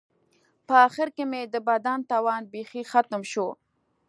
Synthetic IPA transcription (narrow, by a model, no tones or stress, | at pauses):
pəaxɪɾkemed̪əbad̪ant̪ɑwɑnbexixat̪mʃo